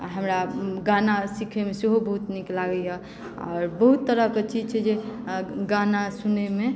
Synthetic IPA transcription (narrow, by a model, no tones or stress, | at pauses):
ɦəmɾaɡanasikʰemeseɦobəɦut̪niklaɡəjɛ | ɔ̰ːɾbəɦut̪ːəɾəket͡ʃid͡ʒt͡ʃʰɛd͡ʒeɡanasuneme